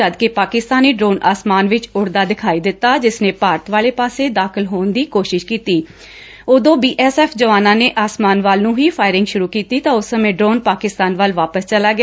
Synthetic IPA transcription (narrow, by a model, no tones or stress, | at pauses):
əd̪keːpaːkɪst̪aːniːɖɾoːnʔaːsmaːnʋɪt͡ʃʊɽd̪aːd̪ɪkʰaːiːd̪ɪt̪ːaːd͡ʒɪsnẽːpaːɾət̪ʋaːleːpaːseːd̪aːkʰɪlɦoːnd̪iːkoːʃɪʃkiːt̪iː | oːd̪õːbiːʔɛːsɛːpʰd͡ʒəʋaːnãːneːʔaːsmaːnʋaːlnũːɦiːpʰaːɪɾɪ̃ŋɡʃʊɾuːkiːt̪iːt̪ãːʊsːəmẽːɖɾoːnpaːkɪst̪aːnʋəlʋaːpəst͡ʃəlaːɡɪ